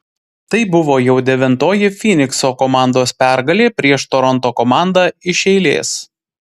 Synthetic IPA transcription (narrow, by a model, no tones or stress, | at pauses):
t̪ɐɪbʊʋoːjɛʊd̪ʲɛʋʲɪnt̪oːjɪfʲinʲɪksoːkɔmɑˑnd̪oːspʲæˑɾɡɐlʲeːpʲɾʲiɛʃt̪oɾɔnt̪oːkɔmɑˑnd̪ɑɪʃʲɛɪlʲḛːs